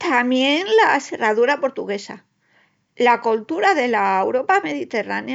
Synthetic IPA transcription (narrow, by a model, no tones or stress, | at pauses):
t̪amje̞nlase̞raðuɾapo̞ɾt̪uɣe̞sa̰ | lakolt̪uɾaðe̞laewɾo̞pame̞ðit̪e̞ra̰nj